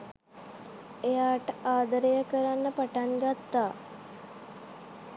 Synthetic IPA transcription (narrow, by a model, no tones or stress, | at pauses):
ejaːʈəaːd̪əɾejəkəɾanːəpaʈaŋɡat̪ːaː